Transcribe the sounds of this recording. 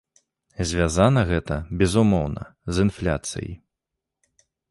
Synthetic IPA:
zʲvʲazanɐɣɛt̪ɐbʲɛzumɔwnɐ̰zɨnflʲa̰t̪sɨ̰jḭ

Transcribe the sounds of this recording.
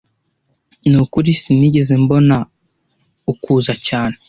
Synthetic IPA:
nukuɾisiniɟe̞zembo̞na | ukuːzacaːne

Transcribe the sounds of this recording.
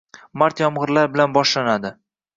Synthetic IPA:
maɾt̪jɒmʁɨɾlaɾbɪlanbɒʃlanad̪ɪ

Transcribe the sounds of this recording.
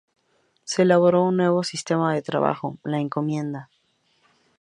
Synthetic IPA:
seːlaβ̞o̞ɾo̞unːwe̞β̞o̞sist̪e̞maðe̞t̪ɾa̰βa̰xo̞laeŋko̞mje̞nd̪a

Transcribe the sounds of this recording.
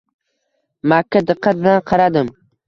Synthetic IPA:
makʲʰːad̪ɨqʰːɑt̪̚nanqʰɑɾad̪ɪm

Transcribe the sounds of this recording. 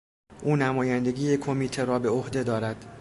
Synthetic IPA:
ʔuːnæmɒːjænd̪e̞ɡʲiːjekʰo̞miːt̪ʰeɾɒːbe̞ohd̪e̞d̪ɒːɾæd̪̥

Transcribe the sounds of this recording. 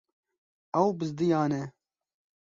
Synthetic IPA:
ɛwbɨzd̪ɨjaːnɛ

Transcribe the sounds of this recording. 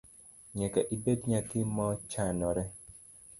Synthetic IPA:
ɲɛkaʔibedɲatɪmɔt͡ʃanɔɾɛ

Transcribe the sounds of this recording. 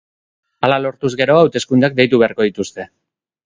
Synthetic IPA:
alalo̞ɾt̪uzɡe̞ɾo̞awt̪e̞skund̪ak̚d̪e̞jt̪uβe̞aɾko̞ðit̪ust̪e̞

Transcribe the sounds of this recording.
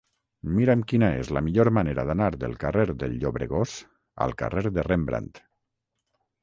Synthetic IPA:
miɾəmkinaḛzlamiʎoɾmaneɾaðanaɾðəlˠkareɾðəlʎoβɾeɣoz̥ | a̰lˠka̰reɾðərembɾa̰nt̪

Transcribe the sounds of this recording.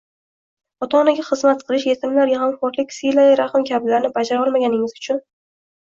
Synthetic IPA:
ɒt̪ʰɒnaɡʲaχɨzmat̪qʰɨlˠɪʃjet̪ʰɪmlaɾjaɦamfɒɾklɪkʲsilaɾaχɪmkʲʰablaɾnɪbad͡ʒaɾaɒlˠmaɡʲanɪŋɪzʊt͡ʃʰʊn

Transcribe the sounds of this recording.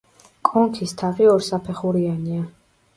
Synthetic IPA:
kʼɔŋkʰist̪ʰaʁiɔɾsapʰɛχuɾiania

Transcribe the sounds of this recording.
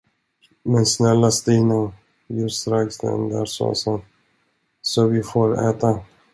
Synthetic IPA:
mɛnsnɛlːast̪ɪna | jɵst̪ɾaksd̪ɛ̰nd̪ə̰ɾsɔ̰san | sɔvɪfoːɾɛ̰ːt̪a

